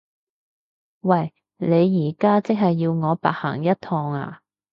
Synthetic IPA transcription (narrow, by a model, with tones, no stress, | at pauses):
wɐ˨˩j | le˨˧jːiː˨˩kaː˥t͡sɪ˥k̚hɐ˨jːiː˧wŋɔː˨˧pa̰ː˨˩ha̰ː˨˩ŋjɐ˥t̚t̪ʰɔː˧ŋa̰ː˧